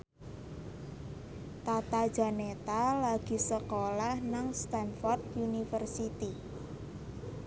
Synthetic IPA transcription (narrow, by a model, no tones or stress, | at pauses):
t̪at̪ad̥ʒ̥a̤net̪alaɡ̥i̤səkolahnaŋst̪anfɔrt̪unifərsit̪i